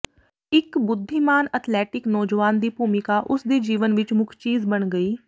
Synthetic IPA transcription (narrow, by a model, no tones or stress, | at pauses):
ɪkbʊd̪ʱːimaːnət̪ʰlɛːʈɪknɔːd͡ʒʋaːnd̪iːpuːmɪkaːʔʊsd̪iːd͡ʒiːʋənʋɪt͡ʃmʊkʰt͡ʃiːzbəɳɡəiː